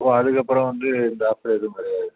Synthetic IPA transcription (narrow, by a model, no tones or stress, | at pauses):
ɐpːõɐðɯkːɐpːɯɾɔ̃ʋɐnd̪ɯɪnd̪ɐɐːpɐɽeðɯmɐːɾɪjaːðɯ